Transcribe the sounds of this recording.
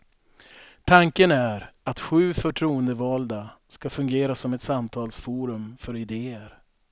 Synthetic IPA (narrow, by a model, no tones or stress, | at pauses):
t̪ʰaŋkənæɾat̪ɧʉ̟ːfœʈʰɾuːənd̪əvɑːld̪askafɵŋɡeːɾasɔmɛt̪samt̪ʰɑːlsfuːɾɵmfœɾɪd̪eːəɾ